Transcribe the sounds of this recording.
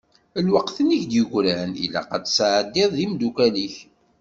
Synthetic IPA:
əlwəqθəniçd̪jəɡʷɾaənḭlæ̰qɑt͡sːsʕəd̪ːɪðˤðimd̪ukæliç

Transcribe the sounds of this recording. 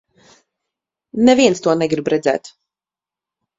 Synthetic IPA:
nɛviɛnst̪uɔnɛɡɾibɾɛd̪zæ̰ːt̪

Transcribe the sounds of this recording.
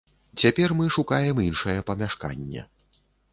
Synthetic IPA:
t͡sʲapʲɛrmɨʂukajɛminʂɐjɛpɐmʲaʂka̰nʲːɛ̰

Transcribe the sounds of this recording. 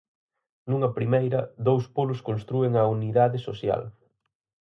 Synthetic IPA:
nuŋɐpɾimejɾɐðowspolʊskõnst̪ɾueŋɐuniðaðɪsosja̰l

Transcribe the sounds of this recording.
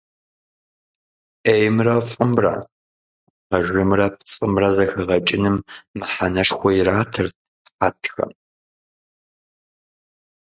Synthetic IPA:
ejmrɐfʼɨmrɐ̰ | qɐʒɨmrɐp̚ʰt͡sʼɨmrɐzɐxɨʁɐt͡ʃʼɪnɨmːɨħanɐʃxʷɔjiraːtʰɨrt̚ | qatʰxɐ̰m

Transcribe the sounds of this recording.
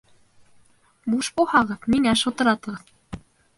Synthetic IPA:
buʃbuhɑʁɤðmiŋæʃŏt̪ɤ̆ɾɑt̪ɤ̆ʁɤð

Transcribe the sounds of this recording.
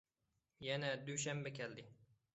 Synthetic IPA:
janæd̪uʃ̬ambakʲʰɛld̪ɪ

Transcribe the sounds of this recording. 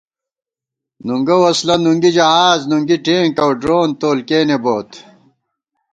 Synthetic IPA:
nuŋɡɐwɐslɐnuŋɡid͡ʑɐɦaːznuŋɡiʈẽːŋkɐwɖɾoːnt̪oːlkeːneboːt̪

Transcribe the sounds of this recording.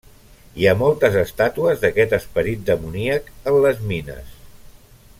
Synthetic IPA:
iamɔlˠt̪əzəst̪at̪uəzðəkɛt̪əspəɾit̪̚d̪əmuniəkənləzminə̰s

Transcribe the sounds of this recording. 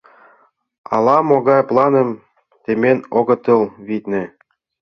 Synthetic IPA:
ɑ̰lɑmoɡɑjplˠɑnɤ̆m | t̪emʲenoɡɤ̆t̪ɤ̆lˠβit̪nʲɘ̆

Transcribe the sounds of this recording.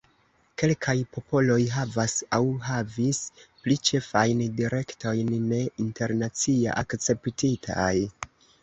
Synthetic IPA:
ke̞lkʰajpo̞po̞lo̞jɦavasawɦavisplit͡ʃe̞fajndiɾʔe̞kto̞jnːe̞inte̞ɾnat͡sia̰ʔakt͡se̞ptitʰa̰j

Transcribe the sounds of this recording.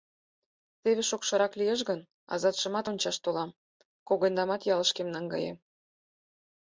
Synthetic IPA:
t̪eβeʃokʃɤ̆ɾɑklijeʃ̬ɣən | ɑ̰zɑt̪ʃɤ̆mɑt̪onʲt͡ɕɑʃt̪olɑm | koɣend̪ɑmɑt̪jɑlə̆ʃkemnɑŋɡɑ̰jḛm

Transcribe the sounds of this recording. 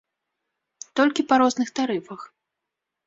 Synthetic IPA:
t̪ɔlʲkʲipaɾɔznɨxt̪aɾɨfɐx

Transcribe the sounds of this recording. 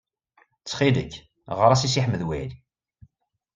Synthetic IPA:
t͡sːχid̪əç | ʁəɾˤæsisiħəmːəðwæli

